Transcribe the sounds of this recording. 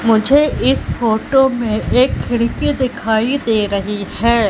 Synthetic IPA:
mʊd͡ʒʱeʔɪsfoːʈomẽʔeːkʰːɪɽkid̪ɪkʰaːid̪eːɾɐɦihɛː

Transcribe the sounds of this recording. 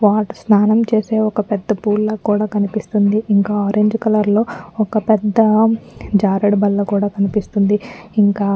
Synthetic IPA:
ʋaːʈsnaːnɐmt͡ʃe̞ːse̞ːɔkɐpɛd̪ːɐpuːlːɐkuːɽaːkɐnipist̪und̪iʔiŋkaːɔːɾeɲd͡ʒkɐlɐɾlo̞ːɔkɐpɛd̪ːɐd͡ʒaːɾɐɽbɐlːɐkuːɽaːkɐnipist̪und̪iiŋkaː

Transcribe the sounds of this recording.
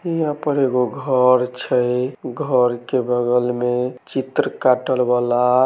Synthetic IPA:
iapəɾeɡoɡʱəɾt͡ʃʰəjɡʱəɾkebʱəɡəlmet͡ʃit̪ɾəkaʈəlbala

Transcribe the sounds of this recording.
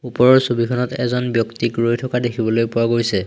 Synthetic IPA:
upɔɹɔɹsobikʰɔnɔtɛ̰zɔnbjɔktikɹojtʰɔkadekʰibɔlojpʊwaɡojsɛ

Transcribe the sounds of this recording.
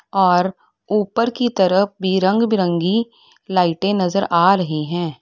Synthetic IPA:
ɔːɾ | uːpəɾkit̪ɐɾəf̚bʱiɾɐ̃ŋɡbiɾə̃ŋɡi | laːɪʈẽnɐzəɾʔaːɾɐɦiɦɛ̃ː

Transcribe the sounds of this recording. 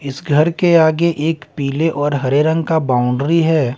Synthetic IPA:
ɪsɡʱɐɾkeaːɡeʔeːkpiːleʔɔːɾɦɐɾeɾə̃ŋɡkabaːʊ̃ɳɖɾiɦɛː

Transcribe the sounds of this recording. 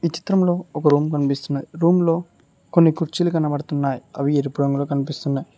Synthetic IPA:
ʋit͡ʃi̥t̪ɾɐmlo̞ːɔkɐɾuːmkɐnipist̪unːajiɾuːmlo̞ː | konːikuɾt͡ʃilukɐnːɐpɐɽut̪unːaːjiɐ̰ʋieɾipuɽɐŋɡuloːkɐnipist̪unːaji

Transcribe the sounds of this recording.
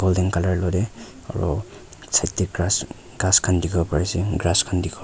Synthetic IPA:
ɡ̥ɔldɛŋkalaɹlɔdɛ | a̰ɹɔ̰ | sʰajtikɡas | ɡaskʰandikʰɔpaɹisiɡɹaskʰandikʰɔ

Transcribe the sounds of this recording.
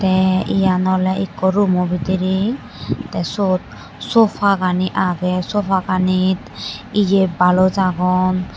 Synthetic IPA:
tɛḭjanɔlɛikɔɾumɔbitiɾi | tɛsot | sɔpʰaɡaniʔaɡɛsɔpʰaɡanitijebalɔzaɡɔn

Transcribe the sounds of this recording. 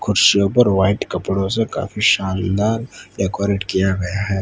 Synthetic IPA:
kʰʊɾʃijõpɐɾʋaːɪʈkɐpɽõseka̰ːfiʃaːnd̪aːɾjakwɔːɾɪʈkijaɡɐjaɦɛː

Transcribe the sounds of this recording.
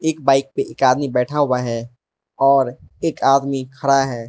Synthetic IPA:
eːkbaːɪk̚peʔeːkaːd̪mibɛːʈʰaɦʊwaɦɛ | ɔːɾeːkaːd̪mikʰəɾaɦɛː

